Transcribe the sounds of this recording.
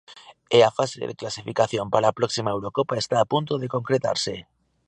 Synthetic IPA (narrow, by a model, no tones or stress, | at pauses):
eafasḛðḛklasifikaθjompaɾaːpɾɔksimaewɾokopaest̪aːpunt̪oðekoŋkɾet̪a̰ɾse